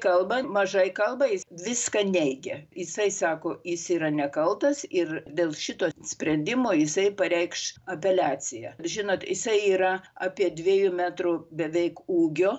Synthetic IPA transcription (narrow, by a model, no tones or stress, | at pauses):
kɐlˠbɐmɐʒɐɪkɐlˠbɐjɪʋʲɪskɐnʲɛɪɡʲɛjɪsɐɪsɑːkoːjɪsiːɾɐnʲɛkɐlˠt̪ɐsɪrd̪ʲeːlˠʃʲɪt̪oːsʲpʲɾʲɛnʲd̪ʲɪmoːjɪsɐɪpɐɾʲɛɪkʃɐpʲɛlʲæːt͡sʲɪjɛːʒʲɪnoːt̪jɪsɐɪiːɾɐɑːpʲiɛd̪ʲʋʲiɛjʊmʲæːt̪rʊbʲɛʋʲɛɪkuːɡʲoː